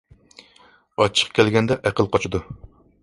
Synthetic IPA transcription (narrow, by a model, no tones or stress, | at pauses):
ɑt͡ʃʰːə̥qkʲʰælɡʲɛnd̪ɛʔæqəlˠqʰɑt͡ʃʰud̪u